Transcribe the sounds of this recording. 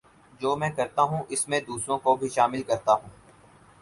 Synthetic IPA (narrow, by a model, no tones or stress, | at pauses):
d͡ʒoːmɛ̃ːkɐɾt̪aɦũʔɪsmẽd̪uːsɾõkobʱiʃaːmɪlkɐɾt̪aɦũː